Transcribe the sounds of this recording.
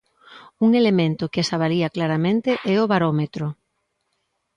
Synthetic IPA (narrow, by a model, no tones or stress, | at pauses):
uŋelemẽnt̪ʊkesaβaliaklaɾamẽnt̪eʔɛoβaɾomet̪ɾʊ